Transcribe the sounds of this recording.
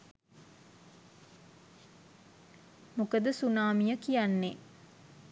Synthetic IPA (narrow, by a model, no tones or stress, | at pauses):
mukəd̪əsunaːmijəkijanːe